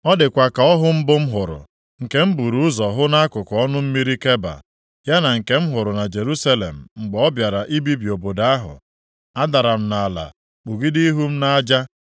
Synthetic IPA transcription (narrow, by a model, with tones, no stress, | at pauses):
ɔ˦dɪ˨kʷa˨ka˨ɔ˦ɦʊ˦m̩˦bʊ˦m̩˦ɦʊ˨ɾʊ̰˨ | ŋ̩˨ke˦m̩˦bu˨ɾu˦ʊ˦zɔ˨ɦʊ˦na˦a˦kʊ˨kɔ˦nʊ˦m̩˦mi˦ɾi˦ke˦ba̰˨ | ja˦na˨ŋ̩˨ke˦m̩˦ɦʊ˨ɾʊ˨na˨d͡ʒe˨ɾu˦sa˦lḛ˨m̩˨ŋ͡m̩˨ɡ͡bɔ˦bja˨ɾa˨ʔi˦bi˦bi˨o˨bo˨da˦a˦ɦʊ̰˨ | a˦da˨ɾa˨m̩˦na˨a˨la̰˨ | k͡pu˨ɡi˦di˦i˦ɦu˦m̩˦na˦d͡ʒa˦